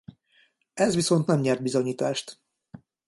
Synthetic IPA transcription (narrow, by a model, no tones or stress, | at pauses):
ɛzʋiso̞nt̪nɛmɲɛrd̪bizo̞ɲiːt̪aːʃt̪